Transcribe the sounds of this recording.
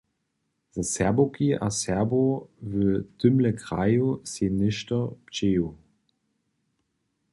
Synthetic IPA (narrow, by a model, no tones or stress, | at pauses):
z̥əsɛɐbokiʔa̰sɛɐbovəd̥ʏmləkʁa̰jusenɪʃtɐpt͡ʃeːu